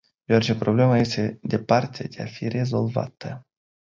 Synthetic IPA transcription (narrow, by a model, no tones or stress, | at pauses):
j̪eart͡ʃepɾo̞ble̞maje̞st̪e̞d̪e̞part̪ḛd̪e̞afire̞zo̞lva̰t̪ə